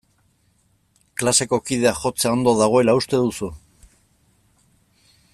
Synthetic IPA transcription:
klase̞ko̞kiðe̞axo̞t͡seao̞nd̪o̞ðaɣ̞o̞e̞laust̪e̞ðusu

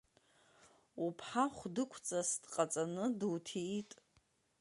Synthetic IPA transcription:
upʰħaχʷdɨkʷʰt͡sʼasd̥qʼat͡sʼanɨdwtʰiitʼ

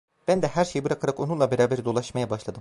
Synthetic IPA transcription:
b̥ænd̪ɛhæɾʃejibɯɾakʰaɾako̞nunlˠabeɾaːbeɾid̪o̞lˠaʃmajabaʃlˠad̪ɯm

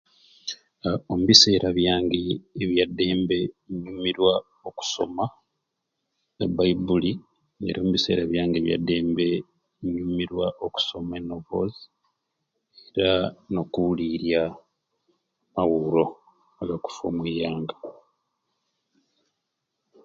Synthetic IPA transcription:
omuβise̞ːɾaβjaːŋɡeːβjadːe̞ːmbe̞iɲuːmiɾwa | o̞ku̥so̞̰ma | ebaibuli | ḛɾo̞ːmuβise̞̰ːɾaβjaːŋɡe̞βja̰dːe̞ːmbe̞ | iɲumiɾwaʔoku̥so̞maenovo̞̰zi | eɾano̞kuliɾja | maɣuɾo̞ | aɡaku̥fo̰ːmwiːjaːŋɡḁ

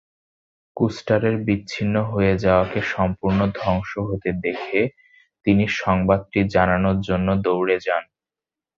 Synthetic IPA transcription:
kusʈaɾeɾbitːɕʰinːoɦoed͡ʑaoakeʃɔmpuɾnod̪ʱɔŋʃoɦot̪ed̪ekʰe | t̪iniʃɔŋbad̪̚ʈid͡ʑananoɾd͡ʑonːod̪owɾed͡ʑan

